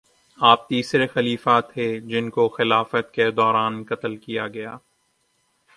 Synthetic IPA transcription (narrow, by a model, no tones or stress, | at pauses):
aːp̚t̪iːsɾexɐliːfaːt̪ɦed͡ʒɪnkoxɪlaːfət̪ked̪ɔːɾaːnkɐt̪əlkijaɡɐjaː